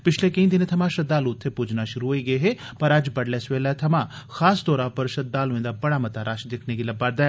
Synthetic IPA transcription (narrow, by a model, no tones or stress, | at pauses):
pɪt͡ʃʰleːkəĩːd̪ɪnet̪ʰəmãːʃət̪̚d̪aːlʊt̪ʰːeːpʊd͡ʒnaːʃʊɾuɦoːiːɡəeːɦeː | pəɾəd͡ʒbəɽlɛːsʋeːlɛːt̪ʰəmãː | xʰaːsd̪ɔːɾaːpəɾʃət̪̚d̪ːaːloẽːd̪aːbəɽaːmət̪aːɾaːʃd̪ɪkʰneːɡiːləbaːɾd̪ɛː